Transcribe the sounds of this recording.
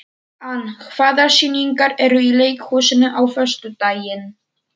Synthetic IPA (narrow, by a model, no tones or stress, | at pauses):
ankʰvaːðḁsiniŋkaɾɛɾʏileːjkhɔːsɪnʏʔawfœst̪ʏt̪aːjɪn